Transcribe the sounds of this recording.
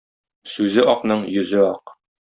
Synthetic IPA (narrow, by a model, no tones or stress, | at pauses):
sʉzɘʔɒqnɤɴjɵ̆zɘɒq